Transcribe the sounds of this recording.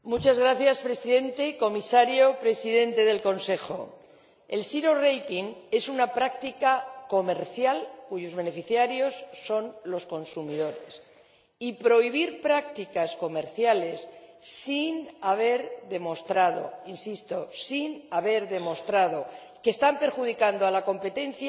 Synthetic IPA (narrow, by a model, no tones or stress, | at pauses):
mut͡ʃazɣɾaθjaspɾe̞siðe̞nt̪e̞ko̞misaɾjo̞pɾe̞siðe̞nt̪e̞ðe̞lko̞nse̞xo̞̰ | e̞̰lsiɾo̞re̞jt̪iŋe̞sunapɾak̚t̪ikako̞me̞ɾθjalkuʝo̞zβe̞ne̞fiθjaɾjo̞sːo̞nlo̞sko̞nsumiðo̞ɾe̞s | ipɾo̞iβ̞iɾpɾak̚t̪ikasko̞me̞ɾθjale̞sːinaβ̞e̞ɾðe̞mo̞st̪ɾaðo̞̰insist̪o̞sinaβe̞ɾðe̞mo̞st̪ɾaðo̞ | ke̞ːst̪ampe̞ɾxuð̞ikand̪oalako̞mpe̞t̪e̞nθja